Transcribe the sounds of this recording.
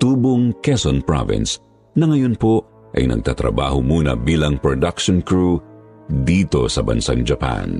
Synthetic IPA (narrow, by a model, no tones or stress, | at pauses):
t̪uːboŋkɛsonpɹa̰vɪ̰ns | nɐŋɐjonpo | ʔɐjnɐ̰ɡ̚t̪at̪ɾɐ̰ba̰ːhomuːnɐ̰biːlɐŋpɹod̪ɐkʃonkɹu | d̪iːt̪o̞sɐbɐ̰nsaŋd͡ʒɐpa̰n